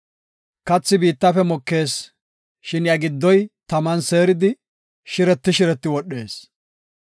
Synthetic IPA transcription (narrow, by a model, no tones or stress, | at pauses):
kɐt͡sːɪbiːt̪ːɐfɛmɔkːe̞ːs | ʃɪnjɐɡɪd̪ːɔjt̪ɐmɐnse̞ːɾɪd̪ɪ | ʃɪɾɛt̪ːɪʃɪɾɛt̪ːɪwɔɗːe̞ːs